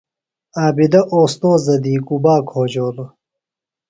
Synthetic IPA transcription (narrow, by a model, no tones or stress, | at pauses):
aːbid̪ɐʔoːst̪oːzɐd̪iːkubaːkʰoːd͡ʑoːlo